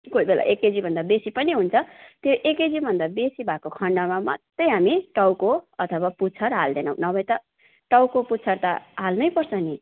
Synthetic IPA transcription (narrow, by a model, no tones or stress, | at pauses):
koibelʔa̰ʔeked͡zibʱʌnd̪abesipʌniɦunt͡sʰʌt̪joʔeked͡zibʱʌnd̪abesibʱakokʰʌɳɖamama̰t̪ːʌjɦamiʈʌwkoʌt̪ʰʌwaput͡sʰʌrɦald̪enʌw̃nʌbʌjt̪ʌ | ʈʌwkoputːt͡sʰʌrt̪aɦalnʌjpʌrt͡sʰʌni